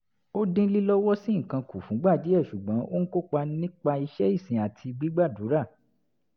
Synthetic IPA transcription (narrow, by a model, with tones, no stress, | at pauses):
o˦dĩ˦li˦lɔ˦wɔ˦sĩ˦ŋ̩˨kã˧ku˨fũ˨˦ɡ͡ba˦˨d͡ʒi˨˦ɛ˦˨ʃu˨ɡ͡bɔ̃˨˦ʔo˦ñ̩˦ko˦k͡pa˧nĩ˦k͡pa˧i˧ʃɛ˦i˦˨sĩ˨a˨tʰi˧ɡ͡bi˦ɡ͡ba˦˨du˨˦ɾa˦˨